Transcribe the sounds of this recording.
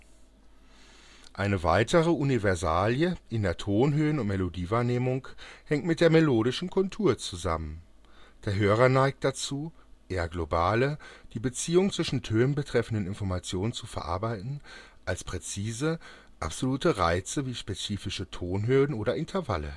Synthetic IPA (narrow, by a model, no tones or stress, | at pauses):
ʔaɪnəva̰ɪtʰəʁəunivɛɐzaːljəʔɪndeːɐtʰoːnɦøːənʊntmelodiːvaːɐneːmʊŋhɛŋ̚tmɪt̚d̥eːɐmeloːɾɪʃn̩kʰʊltʰuːɐt͡suza̰mən | d̥eːɐɦøːʁ̞ɐnaɪk̚t̚d̥at͡suː | ʔeːɐɡlobaːləd̥iːbət͡siːʊŋt͡sv̥ɪʃn̩tʰøːnənbətʁ̥ɛfn̩dənɪnfɔɐmat͡sjoːnənt͡sufɛɐʔa̰ɐbaɪtn̩ | ʔalspʁ̥et͡siːzə | ʔa̰pz̥oluːtəʁaɪt͡səviːʃpet͡siːfɪʃətʰoːnɦøːən̩ʔoːɾɐɪntʰɐɐva̰lə̰